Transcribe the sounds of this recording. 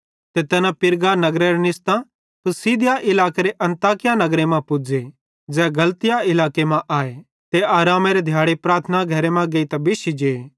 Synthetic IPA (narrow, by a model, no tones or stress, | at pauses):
t̪et̪ɛnapɪɾɡanɐɡɾeɾenɪst̪ã | pɪsiːd̪ɪjaʔɪlaːkeɾeʔɐ̃nt̪aːkɪjanɐɡɾemãpʊd͡ʒe | d͡zɛːɡɐlt̪ɪjaɪlaːkemãʔaːe | t̪eaːɾaːmeɾed̪ʱjaːɽepɾaːɾt̪ʰnaɡʱɐɾemãɡeːit̪ɐbɪʃid͡ʒeː